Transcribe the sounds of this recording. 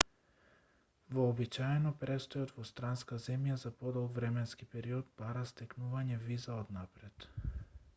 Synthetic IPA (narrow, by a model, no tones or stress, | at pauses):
vɔːbit͡ʃaɛnɔpɾɛst̪ɔjɔt̪vɔst̪ɾanskazɛmjazapɔd̪ɔlˠvɾɛmɛnskipɛɾiɔd̪̚baɾast̪ɛknuvaɲɛvizaɔd̪napɾɛt̪